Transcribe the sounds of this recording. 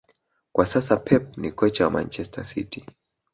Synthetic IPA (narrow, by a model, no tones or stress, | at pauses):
kwasasapʰɛp̚nikɔt͡ʃawama̰nt͡ʃɛstʰa̰sḭti